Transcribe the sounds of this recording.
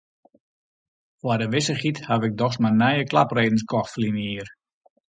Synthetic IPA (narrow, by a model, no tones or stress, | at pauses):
fwadəʋɪsəχithaʋɪk̚dɔxsmanɛjəkla̰preːdən̩skɔxtfəlinəiər